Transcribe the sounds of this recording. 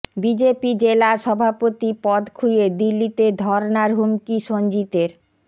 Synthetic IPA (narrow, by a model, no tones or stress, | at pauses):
bid͡ʑepid͡ʑelaʃɔbʱapot̪ipɔd̪kʰujed̪ilːit̪ed̪ʱɔɾnaɾɦumkiʃond͡ʑit̪eɾ